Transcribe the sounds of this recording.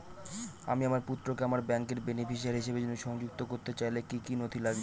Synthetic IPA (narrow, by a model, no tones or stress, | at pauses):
a̰miamaɾput̪ːɾokeamaɾbɛŋkeɾbenefiʃaɾɦiʃebed͡ʑonːoʃɔŋd͡ʑuk̚t̪okoɾt̪et͡ɕajlekikinot̪ʰilaɡbe